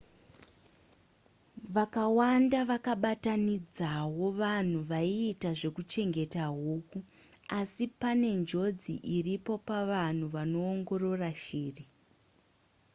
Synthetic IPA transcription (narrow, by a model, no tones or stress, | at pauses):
ʋakawandaʋakaɓatanid͡zawo̞ʋan̤uʋaiːtaʐe̞kut͡ʃe̞ŋɡe̞taɦuːku | asipane̞nd͡ʒo̞d͡zḭʔiripo̞paʋan̤uʋano̞ːŋɡo̞ɾo̞raʃiːri